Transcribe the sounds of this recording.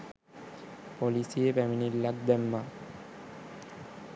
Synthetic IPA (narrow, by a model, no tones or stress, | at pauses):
pɔlisiepɛminiɾlaɡ̚d̪ɛmːa